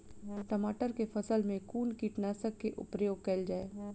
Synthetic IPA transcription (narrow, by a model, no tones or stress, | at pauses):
ʈɐmaːʈəɾkefʰɐsəlmẽkuːnkiʈnaːsəkːeʔʊ̰pɾəjoːɡ̚kɐɪld͡ʒaːeː